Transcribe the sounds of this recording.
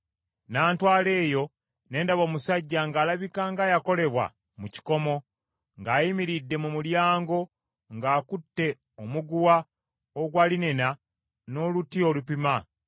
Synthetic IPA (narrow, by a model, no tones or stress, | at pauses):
naːntwaːle̞ːjo̞ | ne̞ːndaβo̞ːmusaɟːaŋɡaːlaβikaŋɡaːjako̞le̞βwa̰ | muci̥ko̞mo̞ | ŋɡaːjimiɾidːe̞mumuljaːŋɡo̞ | ŋɡaːkutːe̞ | omuɡuwa | oɡwaːline̞na | no̞ːlutiolupima